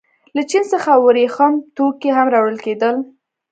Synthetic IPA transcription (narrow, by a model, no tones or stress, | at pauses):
lat͡ʃinsəxawəɾexɑmt̪okeɦamɾɑwɽəlked̪əl